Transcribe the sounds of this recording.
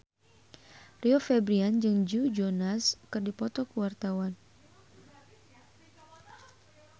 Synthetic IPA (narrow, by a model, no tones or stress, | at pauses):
riɔfɛbɾiand͡ʒɨŋd͡ʒud͡ʒonaskɨrdipɔt̪ɔkəwart̪awan